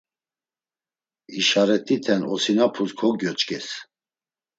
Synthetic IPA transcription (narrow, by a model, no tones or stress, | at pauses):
iʃaɾɛt̪ʼit̪ʰɛnɔsinapʰuzkʰɔɡjɔt͡ʃʼkʼɛs